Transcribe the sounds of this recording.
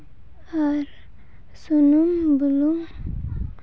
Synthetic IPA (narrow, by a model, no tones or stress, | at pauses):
aɾ | sunumbəlum